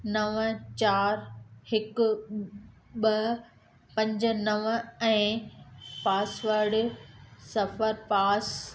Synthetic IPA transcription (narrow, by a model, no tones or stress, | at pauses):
nɐʋt͡ɕaːɾhɪk | ɓɐ | pɐ̃ɲd͡ʑ̆nɐʋɛ̃ː | paːsʋəɾɖ | sɐfəɾpaːs